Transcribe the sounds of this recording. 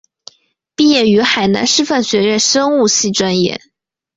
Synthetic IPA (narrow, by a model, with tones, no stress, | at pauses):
pi˥˧jɛ˥˩y˧˥xa˨˩ɪna̰˧˥nʂɻ̩˥˧fa˥˩nɕɥɛ˧˥ɻə˥˩nʂɤ˥ŋu˥˧ɕi˥˩ʈ͡ʂwa˥njɛ̰˥˩